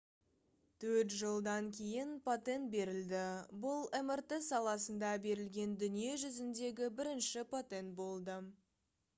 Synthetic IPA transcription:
t̪ʰɵɾt̪ʒəlˠd̪ɑŋkʲʰe̞jɪnpʰot̪e̞nt̪̚be̞ɾɪld̪ɪbʊlˠemert̪esɑlˠɑsənd̪ɑbe̞ɾɪlɡʲe̞nd̪ʏnije̞ʒʏzɪnd̪e̞ɡʲɪbɪɾɪnʃɪpʰot̪e̞nt̪̚bo̞lˠd̪ə

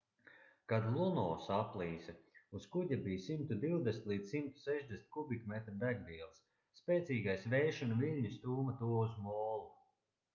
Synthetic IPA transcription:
kad̪lˠunɔːsaplˠiːsauskuɟʲabiːjsimt̪ud̪iwd̪esʲnt̪lˠiːd̪ssimt̪u̥sɛʒd̪ʲesnʲt̪̚ʲkubikmɛt̪ɾd̪æɡviɛlˠsː | pʲɛːt̪siːɡajsvɛjʃɔnuviʎʲɲust̪uːmat̪uɔuzmɔːlˠu

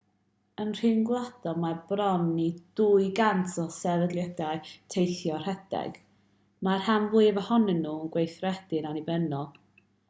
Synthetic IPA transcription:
ənr̥ɪnɡlˠad̥ɔmarbrɔnːid̥uɨɡantʰɔsɛvədlˠjədaɨtʰejθjɔr̥ɛd̥ɛ̰ɡ̥ | marhanvuːɨəvəhɔnɛnːuːəɡwejθrɛd̥ɨnanibɛnɔlˠ

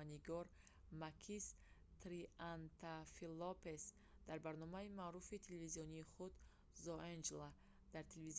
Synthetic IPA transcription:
aniɡɔɾ | makʰis | t̪ɾiant̪ʰafilːɔpes | d̪̥aɾbaɾnɔmaimaɾufit̪ʰelevizijɔniːχud̪ | zɔʔend͡ʒla | d̪̥aɾt̪ʰelviz

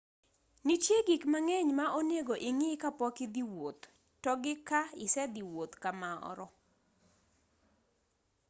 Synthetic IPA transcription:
nit͡ʃjeɡikmaŋɛɲmaʔoneɡoʔɪŋɪkapɔkɪd̪iwot̪ː | ɔɡɪkaɪsɛd̪iwot̪kamaɔ̰ɾɔ

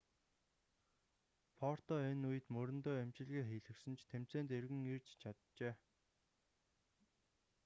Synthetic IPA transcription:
pʰɔr̥t̪ɔenujɘ̆t̪mɵɾɘ̆nt̪oːæmt͡ɕɪ̆ɮɣeːxiːɮɘ̆ksɘ̆nt͡ɕʰt̪ʰem̥t͡seːnt̪erɣɘ̆ŋirt͡ɕt͡ɕʰat̪t͡ɕeː

